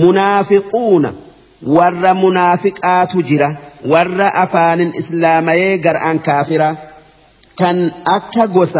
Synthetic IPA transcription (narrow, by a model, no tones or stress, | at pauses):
mʊnaːfɪkʼuːnɐ̰ | wɐrːɐmʊnaːfɪkʼaːt̪ʊd͡ʒɪɾɐwɐrːɐʔɐfaːnɪnɪslaːmɐjeːɡɐɾ̰ʔɐŋkaːfɪɾɐ | kɐnɐkːɐɡɔsɐ